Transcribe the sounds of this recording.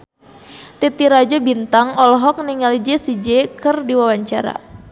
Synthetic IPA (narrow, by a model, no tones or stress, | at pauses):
t̪it̪iɾad͡ʒɔbint̪aŋɔlɔɦɔk̚niŋalid͡ʒesid͡ʒɛkɨrdiwawaɲt͡ʃaɾa̰